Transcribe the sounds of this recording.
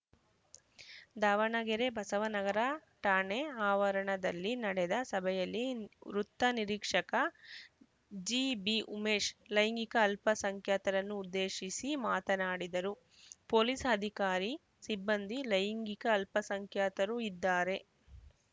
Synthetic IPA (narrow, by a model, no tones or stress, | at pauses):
d̪aːʋɐɳɐɡɛɾebʱɐsɐʋɐnɐɡɐɾɐʈaːɳeaːʋɐɾɐɳɐd̪ɐlːinɐɽɛd̪ɐsɐbʱɛjɐlːiɾut̪ːɐniɾiːkʂɐkɐ | d͡ʒiːbiʔumeːʂlɐjiŋɡikɐːlpɐsɐŋkʰjaːt̪ɐɾɐnːuːd̪ːeːʃisimaːt̪ɐnaːɽid̪ɐɾu | poːliːsɐd̪ʱikaːɾi | sibːɐnd̪ʱilɐjiŋɡikɐːlpɐsɐŋkʰjaːt̪ɐɾuid̪ːaːɾe̞